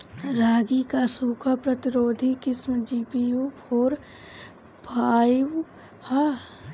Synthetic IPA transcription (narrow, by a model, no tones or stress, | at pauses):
ɾaːɡikasuːkʰapɾɐt̪ɪɾoːd̪ʱikɪsmd͡ʒiːpiu | oːɾ | bʰʱaːiw | ha